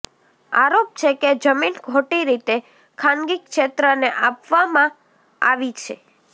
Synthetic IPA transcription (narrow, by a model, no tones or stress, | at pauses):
a̰ɾop̚t͡ʃʰeked͡ʒəminɡʱoʈiɾit̪e | kʰanɡikʃet̪ɾəneʔapʋamã | aʋit͡ʃʰḛ